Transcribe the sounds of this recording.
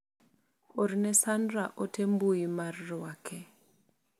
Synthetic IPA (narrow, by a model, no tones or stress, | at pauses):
oɾnɛsandɾaʔotembuimarːwakʰɛ